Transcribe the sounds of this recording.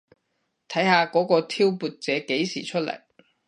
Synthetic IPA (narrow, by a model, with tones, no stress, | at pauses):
t̪ʰɐ˨˥jhaː˧kɔː˨˥kɔː˧t̪ʰiː˥wpuː˨t̚t͡sɛː˨˥ke˨˥jsiː˨˩t͡ʃʰɵ˥t̚lɐ̰˨˩j